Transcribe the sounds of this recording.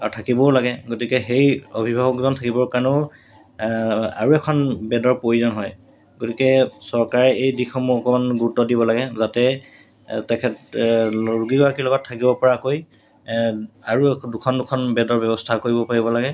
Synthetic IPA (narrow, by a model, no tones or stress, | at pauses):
atʰakibɔlaɡɛɡotikɛxejobʱibʱaɡɔkzɔntʰakibɔɹkanʊ | a̰ɹuɛkʰɔnbɛdɔɹpojuzɔnɦɔj | ɡotikɛsɔɹkaɹɛejdixʰɔmuɔkɔmanɡuɹutɔdibɔlaɡɛzatɛ | tɛkʰɛtloɹuɡiɡɔɹakilɔɡɔtʰːakibɔpɔɹakoj | aɹudukʰɔndʊkʰɔnbɛdɔɹbɛbɔstʰakoɹibɔpaɹibɔlaɡɛ